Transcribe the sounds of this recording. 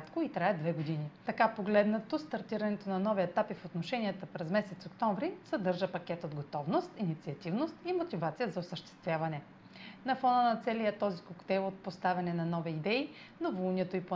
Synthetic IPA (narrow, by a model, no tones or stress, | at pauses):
t̪koit̪ɾajɛd̪vɛɡod̪init̪ɐkapoɡlɛd̪nɐt̪ost̪ɐɾt̪iɾɐnɛt̪onɐnɔviɛt̪apifot̪noʃɛniət̪əpɾɛzmɛsɛt̪sokt̪ɔɱvɾisɐd̪ɤɾʒəpɐkʲɛt̪od̪ɡot̪ɔvnost̪init̪siɐt̪ivnost̪imot̪ʲivat̪sijəzɐosəʃt̪ɛ̥st̪vʲjavɐnɛ | nɐfɔnənɐt̪sɛlijət̪ɔzikokt̪ɛjlˠot̪̚post̪avʲɐnɛnɐnɔviːd̪ɛi | novolˠnʲiɛt̪oipo